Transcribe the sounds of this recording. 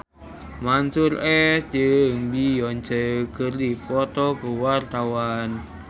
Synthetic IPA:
mansʊɾɛt͡ʃəŋbijɔnd͡ʒəɡ̥ərdipɔt̪ɔkəwart̪awan

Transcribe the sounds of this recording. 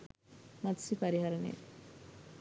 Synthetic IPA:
mɐt̪sipaɾiɦɐɾɐnḛ

